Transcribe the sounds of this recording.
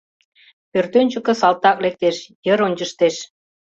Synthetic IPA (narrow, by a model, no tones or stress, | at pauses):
pørt̪ønʲt͡ɕə̆kə̆sɑlt̪ɑklek̚t̪eʃjəɾonʲt͡ɕəʃt̪eʃ